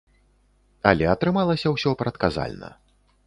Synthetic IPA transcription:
ɐlʲɛɐt̪ɾɨmalˠɐsʲɐwsʲɔpɾɐt̪kaza̰lʲnɐ̰

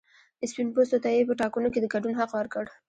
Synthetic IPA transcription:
əspinpost̪ot̪ajepəʈɑkənoked̪əɡaɖunɦaqwaɾkəɽ

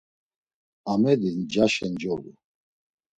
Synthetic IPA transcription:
amɛd̪ind͡ʒaʃɛnd͡ʒɔlṵ

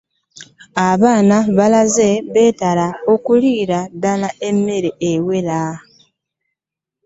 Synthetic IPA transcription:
aβaːnaβalaze̞βe̞ːtalao̞kuliːɾadalae̞mːeɾeʔewe̞la

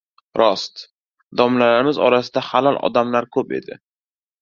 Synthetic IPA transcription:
ɾɒst̪ | d̪ɒmlalaɾɪmɪzɒ̰ɾasɪd̪ahalɒlˠʔɒ̰d̪amlaɾkʰɵpe̞̰d̪ɪ̰

